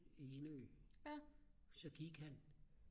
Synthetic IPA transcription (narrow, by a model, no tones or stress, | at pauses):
eːløː | sɒɡ̥ʰiɡ̥æn